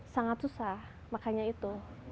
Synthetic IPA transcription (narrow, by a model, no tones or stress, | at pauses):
saŋat̪̚susah | makaɲait̪u